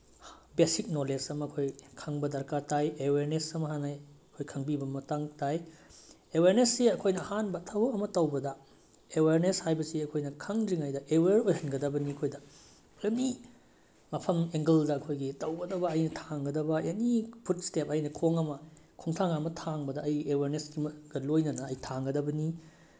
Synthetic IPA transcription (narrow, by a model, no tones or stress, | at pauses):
besik̚nolesɐmɐɐkʰojkʰaŋbɐdɐɾkatajeweɾnesɐmɐɦanajɐkʰojkʰɐŋbibɐmɐtaŋtaj | eweɾnesːiɐkʰojnɐːhanbɐtʰɐwɐmɐtɐwbɐdɐ | eweɾneshajbɐsiɐkʰojnɐkʰɐŋɾiŋajdɐʔeweɾojɦɐnɡɐdɐbɐniɐkʰojdɐ | pɾemi | mɐpʰɐmeŋɡɐldɐɐkʰojɡitɐwɡɐdɐbɐːjnɐtʰaŋɡɐdɐbɐjenipʰutstep̚ɐjnɐkʰoŋɐmɐkʰuŋtʰaŋamɐtʰaŋbɐdɐʔɐjeweɾnesɡimɡ̥ɐlojnɐnɐːjtʰaŋɡɐdɐbɐni